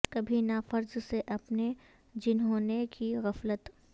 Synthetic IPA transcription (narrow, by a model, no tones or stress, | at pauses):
kɐbʱinafɐɾzseʔɐpne | d͡ʒɪnɦõːnekiɣɐflət̪